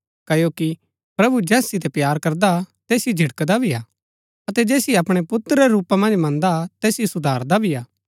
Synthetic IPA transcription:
kɐjoki | pɾɐbud͡ʒɛːsɪt̪̬ɛpjaːɾkɐɾd̪at̪eːsid͡ʒʱɪɽkd̪abʱiaː | ɐt̪ɛd͡ʒɛːsieɐpɽ̃epʊt̪ːəɾeɾuːpamɐ̃nd͡ʒmɐ̃nd̪at̪ɛːsjisʊd̪ʱaːɾd̪abʱiaː

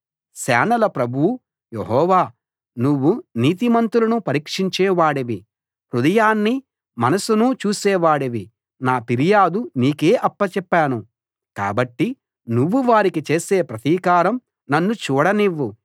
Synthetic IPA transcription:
sɛ̰ːnɐlɐpɾɐbʱuwu | jeɦɔːʋaː | nuʋːuniːt̪̬imɐnt̪ulɐnupɐɾiːkʂiɲt͡ʃɛːʋaːɽeʋi | ɾud̪ɐjaːnːi | mɐnɐsunut͡ʃuːsɛːʋaːɽeʋi | naːpiɾijaːd̪uniːke̞ːʔɐpːɐt͡ʃɛpːaːnu | ka̰ːbɐʈːi | nuʋːuʋaːɾikit͡ʃe̞ːseːpɾɐt̪iːkaːɾɐm | nɐnːut͡ʃuːɽɐniʋːu

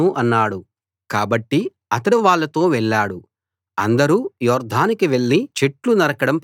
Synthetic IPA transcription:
uʔɐnːaːɽu | kaːbɐʈːi | ɐt̪ɐɽuʋaːɭːɐt̪o̞ːʋɛɭːaːɽu | ɐ̰nd̪ɐɾuːjɔːɾd̪ʱaːnikiʋe̞ɭːit͡ʃe̞ʈlunɐɾɐkɐɽɐmp

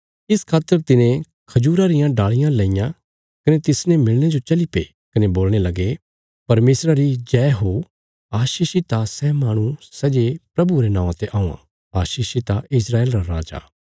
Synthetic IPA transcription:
ɪskʰaːt̪əɾt̪ɪnẽ | kʰɐd͡ʒuːɾaɾɪjãɖaːɭɪjãlɐ̃ɪjã | kɐnet̪ɪsnẽmɪɭñed͡ʒot͡ʃɐlipe | kɐneboːlɽ̃elɐɡe | pɐɾmeːsɾaɾid͡ʒɛːɦo | aːʃiːʃit̪asɛmaːɽ̃usɛd͡ʒepɾɐbuɾenãːãt̪eʔaːũːã̰ | aːʃiːʃit̪aʔɪsɾaːeːlɾaɾaːd͡ʒa̰ː

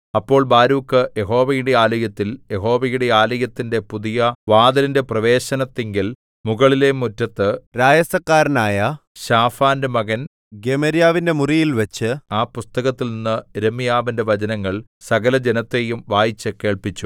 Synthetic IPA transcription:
ɐpːo̞ːɭbaːɾuːkːɨje̞ɦo̞ːʋɐjuɽeaːlɐjɐt̪ːilje̞ɦo̞ːʋɐjuɽe̞aːlɐjɐt̪ːinde̞puðijɐʋaːd̪ɐlinde̞prɐʋe̞ːɕɐnɐt̪ːeŋɡil | muɣɐɭile̞mutːɐt̪ːɨɾaːjɐsɐkːaːɾnaːjɐ | ɕaːfaːndɨmɐɣɐn | ɡemɐɾijaːʋinde̞murijilʋɐt͡ɕːɨaːpust̪ɐɣɐt̪ːilninːɨɾemːijaːʋinde̞ʋɐd͡ʑɐnɐŋːɐɭ | sɐɣɐlɐd͡ʑenɐt̪ːe̞jumʋaːjit͡ɕːɨke̞ːɭpit͡ɕːu

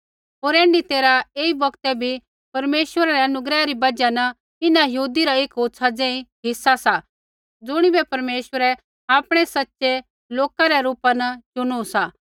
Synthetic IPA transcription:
ɦoːɾɛ̃ːɳɖit̪eːɾaeːibɐkt̪ɛbʱi | pɐɾmeːʃʋəɾaɾɛɐnʊɡɾɛːaɾibɐd͡ʒanɐ | ɪnajɐɦuːd̪iɾaeːkotːsʰad͡zẽːĩɦɪsːasa | d͡zʊɽ̃ibɛpɐɾmeːʃʋəɾɛ | aːpɽ̃ɛsɐtːʃe | loːkaɾɛɾuːpanɐt͡ʃʊɽ̃uusa

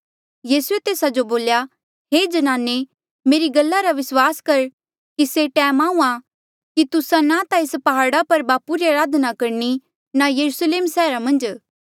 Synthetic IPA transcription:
jiːsuet̪eːsad͡ʒoboːlja | ɦeːd͡ʒɐnãːne | meːɾiɡɐlːaɾaʋɪswaːskɐɾ | kiseʈɛːmaːũã | kit̪ʊsãnat̪aɪspɐɦaːɾɽapɐɾbaːpuɾiaːɾaːd̪nakɐɾni | najɐɾusleːmsɛːɾamɐ̃nd͡ʒ

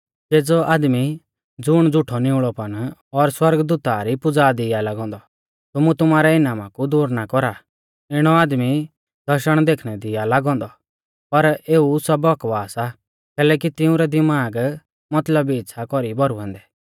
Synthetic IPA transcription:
d͡ʒeːd͡zɔʔaːd̪mi | d͡zʊɽ̃d͡zʊʈʰɔnɪ̃ʊɭɔpɐɽ̃ɔɾswɐɾɡd̪uːt̪aɾipʊd͡zaːd̪ɪalaɡɔ̃ːnd̪ɔ | t̪ʊmut̪ʊmaːɾɛɪnaːmakud̪uːɾnakɔɾa | ɪɽ̃ɔaːd̪mi | d̪ʱɐɾʃəɽ̃d̪eːkʰɽ̃ɛd̪ɪalaɡɔ̃ːnd̪ɔ | pɐɾeːusɐbɔkʋaːsa | kɛːlɛːkit̪ɪũɾɛd̪ɪmaːɡ | mɐt̪ləbiːtːʃʰakɔɾibɔɾuɦɛ̃ːnd̪ɛː

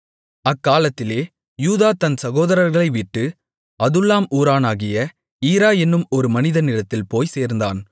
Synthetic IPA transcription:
ɐkːaːlɐt̪ːɪleː | juːðaːt̪ɐnsɐɣoːðɐɾɐɾɣɐɭɐɪʋiʈːɯ | ɐðɯlːaːmuːɾaːnaːɣɪjɐ | iːɾaːjɛnːɯmɔɾɯmɐnɪðɐnɪɾɐt̪ːɪlpoːjseːɾnd̪aːn

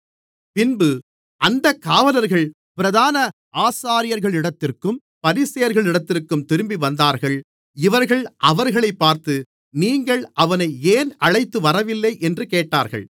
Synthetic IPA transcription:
pɪnbɯ | ʔɐnd̪ɐkːaːʋɐnɐɾɣɐɭ | pɪɾɐðaːnɐ | aːsaːɾɪjɐɾɣɐɭɪɽɐt̪ːɪrkɯm | pɐɾiːsɪjɐɾɣɐɭɪɽɐt̪ːɪrkɯmt̪ɪɾɯmbiʋɐnd̪aːɾɣɐɭ | ɪʋɐɾɣɐɭʔɐʋɐɾɣɐɭɐɪpːaːɾt̪ɯ | niːŋɡɐɭʔɐʋɐnɐɪeːnɐɻɐɪt̪ːɯʋɐɾɐʋɪlːɐɪʔɛndrɯkeːʈːaːɾɣɐ̰ɭ

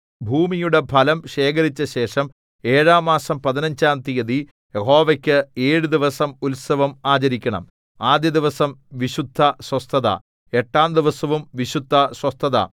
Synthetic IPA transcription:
bʱuːmijuɽe̞pʰɐlɐmɕe̞ːkɐɾit͡ɕːɐɕe̞ːʂɐm | e̞ːɻaːmːaːsɐmpɐðinɐɲd͡ʑaːmt̪ijɐði | jeho̞ːʋɐkʲːɨeːɻud̪iʋɐsɐmulsɐʋɐmaːt͡ɕɐɾikʲːɐɳɐ̰m | aːd̪jɐd̪iʋɐsɐmʋiɕud̪ʱːɐswɐst̪ʰɐðɐ̰ | e̞ʈːaːmd̪iʋɐsɐʋumʋiɕud̪ʱːɐswɐst̪ʰɐðɐ̰

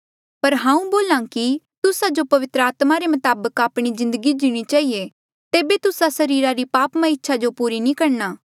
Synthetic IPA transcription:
pɐɾɦãːũboːlãːki | t̪ʊsad͡ʒopɐʋɪt̪ɾəaːt̪maɾemɐt̪aːbəkaːpɽ̃izɪ̃nd̪əɡid͡ʒiɽ̃it͡ʃaːie | t̪eːbet̪ʊsasɐɾiːɾaɾipaːpmãɪtːʃʰad͡ʒopuːɾinĩkɐɾnaː

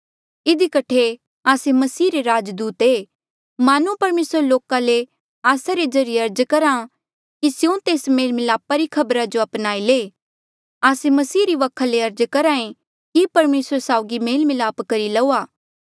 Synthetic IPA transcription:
ɪd̪ikɐʈʰe | aːsemɐsiːɾeɾaːd͡ʒd̪uːt̪eː | maːnupɐɾmeːsəɾloːkale | aːsaɾed͡ʒɐɾijeɐɾd͡ʒkɐɾa | kisɪjõt̪eːsmeːlmɪlaːpaɾikʰɐbɾad͡ʒoɐpnaːileː | aːsemɐsiːɾiʋɐkʰaleɐɾd͡ʒkɐɾaːẽ | kipɐɾmeːsəɾsaːʊɡimeːlmɪlaːpkɐɾilɐuːaː

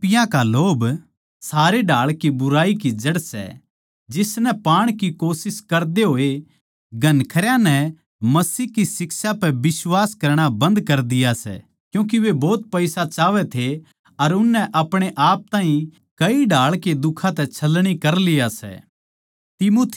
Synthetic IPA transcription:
pɪjãkaloːb | saːɾeɖaːɭkibʊɾaːikid͡ʒɐɽsɛ̰ | d͡ʒɪsnɛpaːɽ̃kikoːsɪskɐɾd̪eɦoːe | ɡʱɐnkʰɐɾjãnɛ | mɐsiːɦkisɪksapɛbɪswaːskɐɾɽ̃abɐ̃nd̪kɐɾd̪ɪjasɛ̰ | kjũːk̬iʋebɔːt̪̚pɐɪsat͡ʃaːʋɛt̪ʰe | ɐɾʊnːɛʔɐpɽ̃eʔaːp̚t̪aːɦĩ | kɐiɖaːɭked̪ʊkʰãt̪ɛt͡ʃʰɐlːɽ̃ikɐɾlɪjasɛ̰ | t̪ɪmoːt̪ʰ

